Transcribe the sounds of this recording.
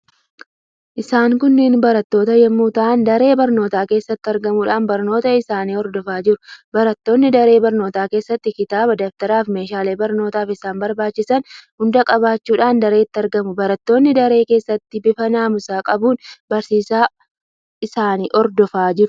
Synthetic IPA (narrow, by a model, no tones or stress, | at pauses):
ʔɪsaːŋkʊnːɪːnbɐɾɐt̪ːo̞ːt̪ɐjɛmːuːt̪aːnd̪ɐɾe̞ːbɐɾno̞ːt̪aːke̞ːsːɐt̪ːɪɐɾɡɐmuːᶑaːnbɐɾno̞ːt̪ɐɪsaːniːɔɾd̪ɔfaːd͡ʒɪɾʊ̥bɐɾɐt̪ːo̞ːnːɪd̪ɐɾe̞ːbɐɾno̞ːt̪aːke̞ːsːɐt̪ːɪkɪt̪aːbɐd̪ɐft̪ɐɾaːfme̞ːʃaːleːbɐɾno̞ːt̪aːfɪsaːnbɐɾbaːt͡ʃːɪsɐnhʊnd̪ɐkʼɐβaːt͡ʃːuːᶑaːnd̪ɐɾeːt̪ːɐɾɡɐmʊbɐɾɐt̪ːo̞ːnːɪd̪ɐɾe̞ːke̞ːsːɐt̪ːɪbɪfɐnaːmʊsaːkʼɐbuːnbɐɾsiːsaː | ʔɪsaːniːʔɔɾd̪ɔfaːd͡ʒɪɾʊ̥